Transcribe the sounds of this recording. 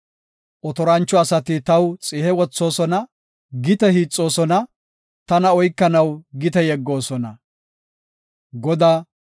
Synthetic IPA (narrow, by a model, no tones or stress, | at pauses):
ʔɔt̪ɔɾɐnt͡ʃːɔɐsɐt̪ɪt̪ɐwt͡sʼɪhɛwɔt͡sːo̞ːsɔnɐ | ɡɪt̪ɛhiːt͡sʼːo̞ːsɔnɐ | t̪ɐnɐɔjkːɐnɐwɡɪt̪ɛjɛɡːo̞ːsɔnɐ̰ | ɡɔd̪aː